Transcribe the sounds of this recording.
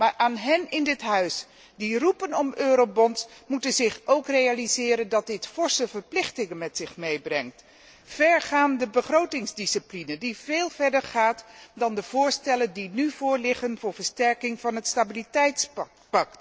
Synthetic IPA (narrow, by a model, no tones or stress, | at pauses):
maːɹʔaːnɦɛnɪndɪtɦœɥs | dirupənɔmøːɾowbɔnsmutənzɪχowkrejalizɪːɾəndɑt̚dɪtfɔɹsəvəɹplɪχtɪŋənmɛtsɪχmejbrɛŋt | fɛɹχaːndəbəχrowtɪŋzdisiplinəndiveːlˠvɛɹdəɹχaːtdɑndəv̥ʊːɹstɛləndinyv̥ʊːɹlɪχənvʊːɹvəɹstɛɹkɪŋvɑnɦətstabilitɛjts | pɑkt